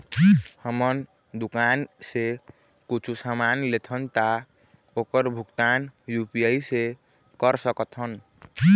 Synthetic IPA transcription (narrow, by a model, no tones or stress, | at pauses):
həmən | d̪ukanse | kut͡ʃʰusamanlet̪ʰənt̪a | okəɾbʱukt̪anjupijəise | kəɾsəkət̪ʰɦən